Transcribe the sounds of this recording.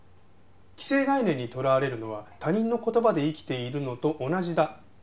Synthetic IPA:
kʲi̥se̞ːɡainẽ̞ɲ̟ːit̪o̞ɾaβaɾe̞ɾɯ̟no̞β̞at̪aɲ̟ĩnːo̞ko̞t̪o̞bad̪e̞ikʲi̥t̪e̞iɾɯ̟no̞t̪o̞ʔːnaʑid̪a

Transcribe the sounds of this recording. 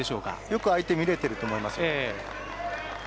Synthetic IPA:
eɕo̞ːka̰jo̞kɯ̟ait̪e̞mʲiɾe̞t̪e̞ɾɯ̟t̪o̞ːmo̞imasɨe

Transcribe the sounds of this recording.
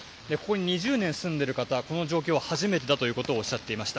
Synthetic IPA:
d̪e̞ko̞ko̞ɲ̟iɲ̟iʑɨːnẽɰ̃sɨ̃nd̪e̞ɾɯ̟kat̪ako̞no̞ʑo̞ːkʲo̞ːβahaʑime̞t̪̬e̞d̪at̪o̞jɯ̟ːko̞t̪o̞ːɕːat̪ːe̞imaɕi̥t̪a

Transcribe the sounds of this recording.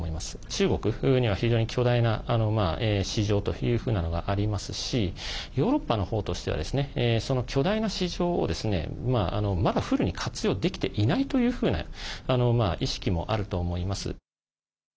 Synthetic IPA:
oimasɨ̥t͡ɕɨːɡo̞kɯ̟ɲ̟iβaçiʑo̞ːɲ̟ikʲʰo̞d̪ainaano̞maːeːɕiʑo̞ːt̪o̞̰jɯ̟ːɸɯ̟ːnano̞ɡa̰ʔaɾʲimasɨɕijo̞ːɾo̞pːano̞ho̞ːt̪o̞ɕi̥t̪e̞a̰d̪e̞sɨne̞ːso̞no̞kʲo̞d̪ainaɕiʑo̞ːo̰d̪e̞sɨne̞̰maa̰no̞mad̪aɸɯ̟ɾɯ̟ɲ̟ikʰat͡sɨjo̞ːd̪e̞kʲi̥t̪e̞ʔinait̪o̞jɯ̟ːɸɯ̟ːna̰ano̞maːʔiɕi̥kʲimo̞̰ʔaɾɯ̟t̪o̞ːmo̞imasɨ̰

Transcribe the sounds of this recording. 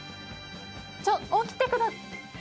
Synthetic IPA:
t͡ɕookʲi̥t̪ːekɯd̪as

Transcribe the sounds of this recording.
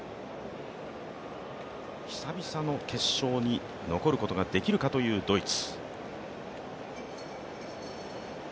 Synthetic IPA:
çi̥sabʲisano̞ke̞ɕːo̞ːɲ̟i | no̞ko̞ɾɯ̟ko̞t̪o̞ɡad̪e̞kʲiɾɯ̟kat̪o̞jɯ̟ːd̪o̞it͡sɨ̥

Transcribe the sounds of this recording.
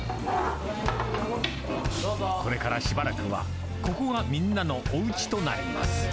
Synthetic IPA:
kʰo̞ɾe̞kaɾaɕibaɾakɯ̟βa̰ | ko̞ko̞ɡamʲĩnːano̞ʔoɯ̟t͡ɕi̥t̪o̞na̰ɾḛma̰sɨɨ̥

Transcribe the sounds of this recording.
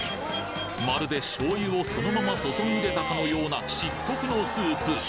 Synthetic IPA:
maɾɯ̟d̪e̞ɕo̞ːjɯo̞so̞no̞mamaso̞soɲʲiɯɾe̞t̪akano̞jo̞ːnaɕikːo̞kɯ̟no̞sɨːpɯ

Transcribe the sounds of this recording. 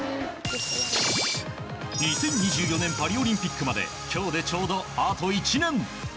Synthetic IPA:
ɲʲisẽ̞ɲːiʑɨːjonẽ̞mpaɾʲio̞ɾʲĩmpʲikːɯ̟mad̪e̞̰ | kʲʰo̞ːd̪e̞t͡ɕo̞ːd̪o̞at̪oit͡ɕinẽ̞ŋ

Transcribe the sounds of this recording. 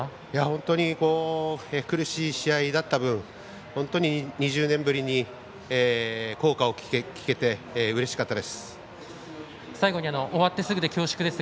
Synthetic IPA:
jahõ̞nt̪o̞ɲ̟iko̞ːekɯ̟ɾɯ̟ɕiːɕiaid̪at̪ːabɯ̟̃ɴ̃ | hõnt̪o̞ɲ̟iɲ̟iʑɨːnẽ̞mbɯ̟ɾʲiɲ̟i | eːko̞ːkao̞kʲekʲi̥ke̞t̪e̞ɯ̟ɾe̞ɕi̥kat̪ːad̪e̞sɨ̥ | saiɡo̞ɲ̟iano̞ʔoβat̪ːe̞sɨɡɯ̟t̪ekʲo̞ːɕi̥kɯ̟d̪e̞sɨ

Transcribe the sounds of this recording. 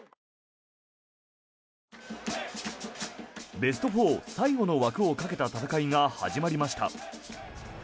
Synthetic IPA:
be̞s̬ɨ̥t̪o̞ɸo̞ːsaiɡo̞no̞βakɯ̟o̞kake̞t̪at̪at̪akaiŋaha̰ʑimaɾʲimaɕi̥t̪a̰

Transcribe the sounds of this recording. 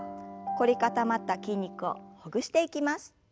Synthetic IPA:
ko̞ɾʲikat̪amat̪ːakʲĩɲ̟ʲːikɯ̟o̞̰hoɡɯ̟ɕi̥t̪e̞ikʲimasɨ̥

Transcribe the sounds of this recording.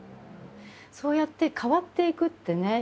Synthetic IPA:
so̞ːjat̪ːe̞kʰaβat̪ːe̞ikɯ̟t̪ːe̞ne̞

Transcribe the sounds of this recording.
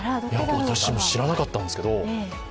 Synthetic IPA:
jaβat̪aɕimo̞ɕiɾanakat̪ːãnd̪eske̞d̪o̞

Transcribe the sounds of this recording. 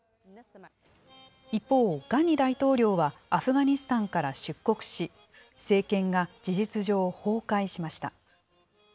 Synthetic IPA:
ipːo̞ːɡ̥aɲ̟ːid̪ait̪o̞ːɾʲo̞ːβaːɸɯ̟ɡaɲ̟isɨ̥t̪ãŋkaɾaɕɨkːo̞kɯ̟̥ɕi | se̞ːkẽ̞ŋɡad͡ʑiʑit͡sɨʑo̞ːho̞ːkaiɕimaɕi̥t̪a

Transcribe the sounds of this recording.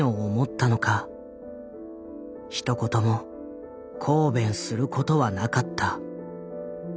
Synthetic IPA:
oːmo̞t̪ːano̞ka | çi̥t̪o̞ko̞t̪o̞mo̞ | kʰo̞ːbẽ̞ɰ̃sɨɾɯ̟kʰo̞t̪o̞βanakat̪ʰːa

